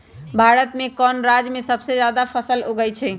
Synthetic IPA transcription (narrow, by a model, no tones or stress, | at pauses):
bʱaɾət̪mekɔnɾad͡ʒmesəbsed͡ʒad̪apʰəsəloɡəjt͡ʃʰɛ